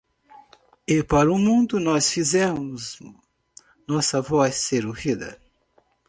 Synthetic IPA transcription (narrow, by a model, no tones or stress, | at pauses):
ɪpaɾʊmũnd̪ʊnɔsfizɛ̃mʊz | nɔsɐvɔsseɾohid̪ɐ̰